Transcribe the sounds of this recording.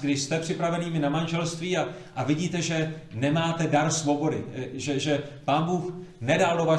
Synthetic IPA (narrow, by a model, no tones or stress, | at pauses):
ɡdɪʃst̪ɛpr̥ɪpɾavɛniːmɪnamanʒɛlst̪viːa | ʔavɪɟiːt̪ɛʒɛnɛmaːt̪ɛdaɾsvobo̞dɪʒɛʒɛpaːnbuːxnɛdaldova